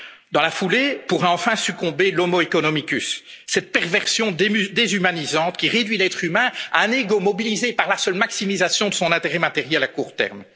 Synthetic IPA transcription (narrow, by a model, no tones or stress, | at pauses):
d̪ɑ̃lafulepuʁɛɑ̃fɛ̃sykɔ̃belɔmoekɔnɔmikʲysːɛt̪̚pɛʁvɛʁsjɔ̃d̪ezymanizɑ̃t̪kʲiʁed̪ɥilɛt̪χymɛ̃a̰ɛ̃neɡomɔbilizepaʁlasœlmaksimizasjɔ̃d̪əsɔ̃nɛ̃t̪eʁɛmat̪eʁjɛlakuːʁt̪ɛ̰ʁm